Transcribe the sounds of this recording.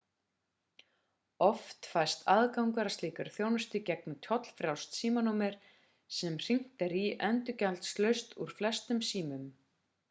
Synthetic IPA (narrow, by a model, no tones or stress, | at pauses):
ɔft̪fajst̪ʰaðkawŋkaɾast̪iːkaɾθjoːwnʏst̪ʏcɛknʏt̪ʰjɔt̪l̥fɾjawst̪siːmanumɛɾ̥ | sɛmr̥iŋ̥t̪ɛɾiʔɛnt̪ʏcalt̪st̪lœɥst̪uɾ̥flɛst̪ʏmsiːmʏm